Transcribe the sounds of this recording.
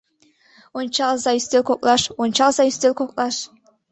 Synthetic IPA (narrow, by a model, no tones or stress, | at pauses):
ont͡ɕɑlˠzɑyst̪elʲkok̚ʼlˠɑʂont͡ɕɑlˠzɑyst̪ʲelʲkokʼlˠɑʂ